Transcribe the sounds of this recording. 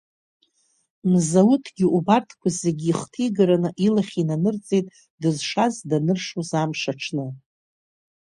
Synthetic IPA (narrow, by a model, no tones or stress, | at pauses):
mzawʊtʰɡʲiʔubartʰkʷʰazeɡʲiiχtʰijɡaɾanɨʔilaχʲinanɨrt͡sʼejtʼ | dɨzʂazdanɨrʂuzamʂaʈ͡ʂʰnɨ